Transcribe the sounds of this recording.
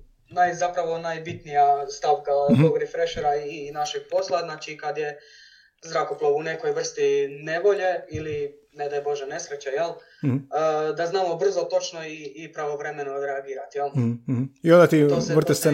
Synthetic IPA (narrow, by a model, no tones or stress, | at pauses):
najzapɾaʋo̞najbit̪nijast̪aʋkaoɡɾifɾeʃeɾaiinaʃeɡ̥̚po̞slˠaznaːt͡ʃikad̪je | zɾakoplˠaʋunekojʋr̩st̪ine̞ʋo̞ʎe̞ili | ned̪ajbo̞ʒene̞sɾet͡ɕajelˠː | d̪aznaːmo̞br̩zot̪o̞t͡ʃno̞iːpɾaʋo̞ʋɾe̞menoɾeaɡiːɾat̪jelˠ | iond̪at̪it̪ossʋr̩t̪est̪se